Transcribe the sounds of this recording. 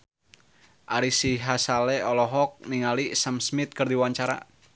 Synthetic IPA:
ʔaɾisiɦasalɛɔlɔɦɔk̚niŋalisamsmit̪̚kərd̪iwaɲt͡ʃaɾa̰

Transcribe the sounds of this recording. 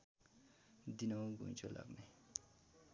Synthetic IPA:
d̪inʌwbʱṵ̃t͡sʰulʔa̰ɡne

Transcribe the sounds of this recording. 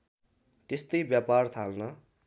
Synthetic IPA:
t̪est̪ʌjbjapart̪ʰalnʌ

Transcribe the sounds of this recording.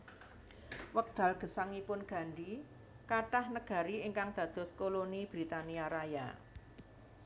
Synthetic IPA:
wək̚d̪̥a̤lɡ̥ə̤saŋipʊnɡ̥a̤ɳɖi | kaʈahnəɡ̥a̤ɾiɪŋkaŋd̪̥ä̤d̪̥ɔ̤skolonib̥ɾit̪aniaɾaja̰

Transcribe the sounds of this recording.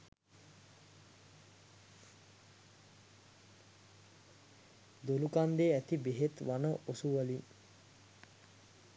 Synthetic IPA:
d̪olukand̪eːæt̪ibeɦet̪ʋanəʔosuʋəlin

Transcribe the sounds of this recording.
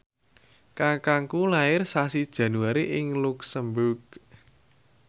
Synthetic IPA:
kakaŋkulaɪrsasid̥ʒ̥ä̤nuaɾiʔɪŋluksəmbʊrɡ̥

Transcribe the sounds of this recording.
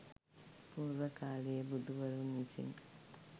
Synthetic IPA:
puːɾuʋəkaːləjebud̪uʋəɾumisḭŋ

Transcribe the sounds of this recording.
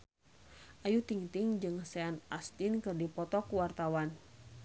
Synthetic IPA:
ʔajut̪iŋt̪ɪŋd͡ʒɨŋsɛanast̪inkɨrdipɔt̪ɔkuwart̪awan

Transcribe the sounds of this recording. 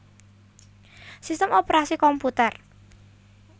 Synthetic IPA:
sist̪əmopeɾasikɔmput̪ɛr

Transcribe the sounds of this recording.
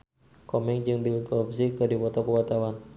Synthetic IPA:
kɔmɛŋd͡ʒɨŋbilkɔps̬ikədipɔt̪ɔpəwat̪awan

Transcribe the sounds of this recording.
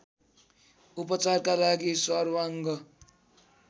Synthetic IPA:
upʌt͡sarkalaɡisʌrwaŋɡʌ

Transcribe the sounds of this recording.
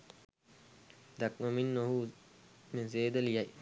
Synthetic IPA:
d̪ɐk̚mominːoɦuːmezeːd̪ɐljɐj

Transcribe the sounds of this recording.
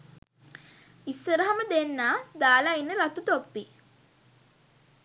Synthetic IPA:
isːəɾəɦaməd̪enːaːd̪aːlainːəɾat̪ut̪opːi

